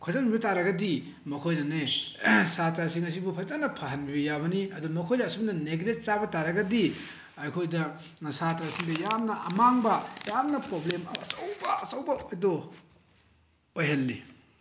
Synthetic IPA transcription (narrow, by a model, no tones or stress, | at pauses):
kʰazɐnbibɐtaɾɐɡɐdi | mɐkʰojnɐne | satɾasiŋɐs̬ibupʰɐzanɐpʰahɐnbibɐjabɐniɐdumɐkʰojdɐːsubnɐneɡɾet̚t͡ʃabɐtaɾɐɡɐdi | ɐjkʰojdɐ | satɾasiŋdɐjamnɐʔɐmaŋbɐjamnɐpɾoblemɐɐt͡ʃowbɐɐt͡ʃɐwbɐojdo | ojɦɐlːḭ